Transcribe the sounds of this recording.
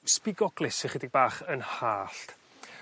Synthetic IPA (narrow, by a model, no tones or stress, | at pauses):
spɪɡɔɡ̥lɪsɪnχədɪɡ̚baːχənhaːɬt